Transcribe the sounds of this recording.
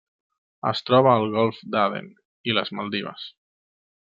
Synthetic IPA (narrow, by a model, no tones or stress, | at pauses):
ə̰st̪ɾɔβ̞əːlˠɣɔlˠfd̪aðḛn | iləzmalˠd̪iβə̰s